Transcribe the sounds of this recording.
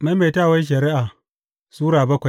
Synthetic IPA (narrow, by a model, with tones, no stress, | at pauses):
ma˦meː˨taː˦˨wɐ˦nʃ̬ɐ˨ɾɪ˦ʔaː˨ | suː˦ɽaː˨bɐ˦kʷa˨j